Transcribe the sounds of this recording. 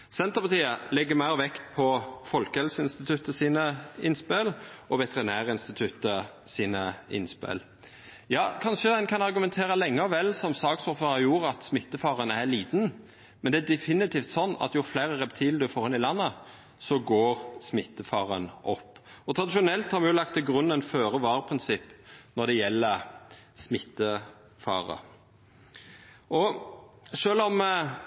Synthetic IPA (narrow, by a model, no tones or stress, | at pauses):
sɛnt̪əʁpɑt̪iːəlɛɡːəmæɪɾɔʋɛkt̪̚pʰɔfɔlkəhɛlsəɪnst̪ɪt̪ʰʉt̪əsiːnəɪnspelʔɔʋɛt̪əʁɪnæːʁəɪnst̪ɪt̪ʰʉt̪ə | siːnəɪ̰nspḛl | jɑːkʰɑnʃəd̪ɛnkʰɑnɑʁɡʉmɛnt̪ʰeːɾəlɛŋːəɔʋɛlːsɔmsɑːɡsɔfəɑjuːɾəɑt̪smɪt̪ːəfɑːʁənæɭiːd̪n | mɛnd̪ɛæd̪ɛfɪnɪt̪ʰiːft̪sɔnːɑ̰t̪jʊfleɪʁəʁɛpt̪ʰiːləd̪ʉfoʁɑnɪlɑnːə | sɔɡoːɾsmɪt̪ːəfɑːʁə̰nʔɔpːɔt̪ʰɾɑd̪ɪʃʊnɛlt̪hɑɾmɛjʊlɑkt̪ʰːɪlɡɾʉnːənføːɾəʋɑːɾəpʰɾɪnsɪpːnɔd̪ɛjɛlːəsmɪt̪ːə | fɑ̰ːʁə̰ | ʔɔ | ʂøːlɔm